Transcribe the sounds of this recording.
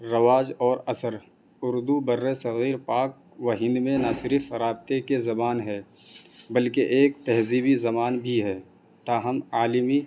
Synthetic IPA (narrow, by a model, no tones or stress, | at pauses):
ɾɐʋaːd͡ʒɔːɾɐsəɾ | ʊɾd̪ubɐɾːesɐɣiːɾpaːk̚ | wɐɦɪ̃nd̪mẽnasɪɾfɾaːb̚t̪ekezɐbaːnɦɛː | bɐlkeʔeːk̚t̪ɛɦziːbizɐmaːnbʱiɦɛː | t̪aːɦəmaːlɪmi